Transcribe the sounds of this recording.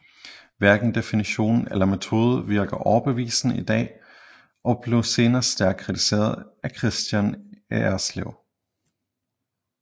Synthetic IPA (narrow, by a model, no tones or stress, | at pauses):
ʋæɐɡ̥n̩d̥e̝finiɕo̝̰ːnn̩elɐme̝t͡sʰo̝ːð̞ˠʋiɐɡ̥ɐʔɒʊɐb̥e̝ʋḭːsn̩id̥ɛ̰ː | ʔɒ̽b̥le̝ʊse̝ːnɐːsd̥æɐɡ̥̚kʰːʁit͡sʰi̥se̝̰ːɐð̞ˠækʰʁisd̥jæneæɐsleʊ